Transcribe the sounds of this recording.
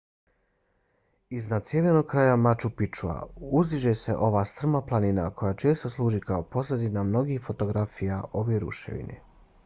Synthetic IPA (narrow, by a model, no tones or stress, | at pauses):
iznad̪sjeʋjeno̞ɡ̚kɾaːjamat͡ʃupit͡ʃua̰uzd̪iʒe̞se̞ʔo̞ʋaːst̪r̩maplˠaninako̞jat͡ʃe̞ːst̪o̞slˠuːʒikaopo̞sled̪inamno̞ɡixfo̞t̪o̞ɡɾafijaʔo̞ʋeɾṵʃḛʋḭnḛ